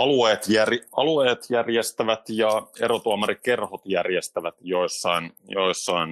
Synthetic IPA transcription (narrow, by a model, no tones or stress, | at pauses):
ɑlueːt̪jærɑlueːt̪jærjest̪æʋæt̪jɑḛɾot̪uɑmɑɾrikke̞rhot̪jærjest̪æʋæt̪joisːɑinjoisːɑin